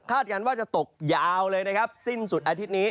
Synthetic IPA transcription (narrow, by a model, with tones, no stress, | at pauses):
kʰaː˥˩t̪̚kaː˧nwaː˥˩t͡ɕa˨˩t̪o˨˩k̚jaː˧wlɤː˧jna˦˥kʰa˦˥p̚si˥˩nsu˨˩t̪ʔaː˧t̪ʰi˦˥t̪̚niː˦˥